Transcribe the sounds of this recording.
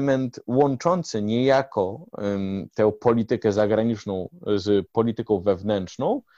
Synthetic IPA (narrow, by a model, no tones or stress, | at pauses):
mɛnt̪wɔnt͡ʂɔnt̪sɘɲɛjakʰɔ | t̪ɛw̃pɔlʲit̪ɘkɛzaɡɾaɲit͡ʂnɔ̃w̃zpɔlʲit̪ɘkɔ̃w̃vɛvnɛnʂnɔ̃w̃